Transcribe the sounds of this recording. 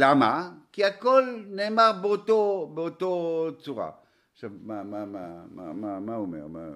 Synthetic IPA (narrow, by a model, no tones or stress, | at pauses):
lamakiakɔlnɛmaʁbot̪obot̪ot͡suʁa̰ | samamamamamamaumɛ̰ʁma̰